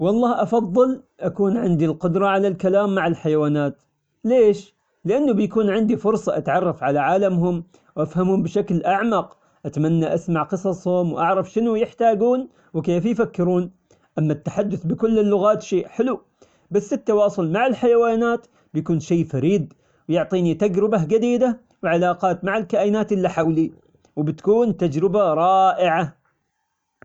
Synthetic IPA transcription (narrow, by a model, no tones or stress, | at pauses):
wɑlˤːɑːhʔɑfɑðˤːɨl | ʔakuːnʕɪnd̪ilqʊd̪ɾˤɑʕalalkalaːmːaʕɪlħajawaːnaːt̪ | leːʃ | lɪʔanːʊbɪjakuːnʕɪnd̪ifʊɾsˤɑʔat̪ʕɑrˤːɑfʕalaʕaːlamɦʊm | wʔafhamhʊmbɪʃaklʔaʕmɑq | ʔat̪manːaʔasmaʕqɨsˤɑsˤhʊmwʔaʕɾˤɑfʃɪnʊjɪħt̪aːɡuːn | wɪkeːfjfakːɪɾuːn | ʔamːat̪ːaħad̪ːʊθbɪkʊlːɪlːʊɣaːt̪ʃeːʔħɪlu | basːɪt̪ːawɑːsˤʊlmaʕɪlħajawaːnaːt̪ | bjakuːnʃeːfaɾiːd̪ | wjʊʕt̪ˤiːnit̪ad͡ʒɾɪbad͡ʒad̪iːd̪a | wɪʕalaːqɑːt̪maʕalkaːʔjɪnaːt̪ʔɪlːiħawli | wbɪt̪kuːnt̪ad͡ʒɾɪbaɾˤɑːʔɪʕa